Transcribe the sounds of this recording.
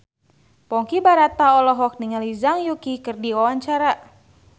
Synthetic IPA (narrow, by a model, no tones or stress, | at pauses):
pɔŋkibaɾat̪aɔlɔɦɔk̚niŋalizaŋjukikɨrdiwawaɲt͡ʃaɾa